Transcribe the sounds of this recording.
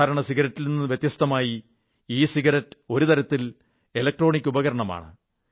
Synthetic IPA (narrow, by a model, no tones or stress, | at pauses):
aːɾɐɳɐsiɣɐɾɐtːilninːɨʋjet̪jɐst̪ɐmaːji | iːsiɡɐɾɐtːɨo̞ɾut̪ɐɾɐt̪ːil | elɐk̚ʈro̞ːɳikʲːubɐɣɐɾɐɳɐma̰ːɳɨ̰